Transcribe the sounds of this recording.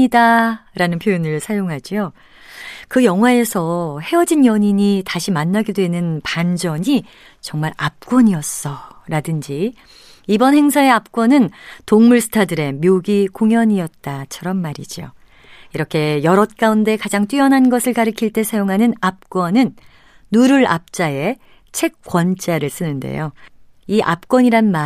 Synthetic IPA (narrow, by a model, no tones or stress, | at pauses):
idaɾanɯnpʰjoinɯɭsʰajoŋɦad͡ʑio | kɯjʌŋɦwae̞sʰʌhe̞ʌd͡ʑinjʌɲiɲitaɕʰimanːaɡedwe̞nɯnpand͡ʑʌɲi | t͡ɕʌŋmaɾap̚k͈wʌɲiʌs͈ʌɾadɯnd͡ʑi | ibʌnhe̞ŋsʰae̞ap̚k͈wʌnɯntoŋmuɭsʰɯ̥tʰadɯɾe̞mjoɡikoŋjʌɲiʌt̚t͈at͡ɕʰʌɾʌmːaɾḭd͡ʑio̰ | iɾʌkʰe̞jʌɾʌt̚k͈aunde̞kad͡ʑaŋt͈ɥiʌnɦanɡʌsʰɯɭkaɾɯkʰiɭt͈e̞sʰajoŋɦanɯnap̚k͈wʌnɯnː | uɾuɾa̰p̚t͡ɕ͈ae̞ | t͡ɕʰe̞k̚k͈wʌnt͡ɕ͈aɾɯɭs͈ɯnɯnde̞̰jo | iʔa̰p̚k͈wʌɲiɾanma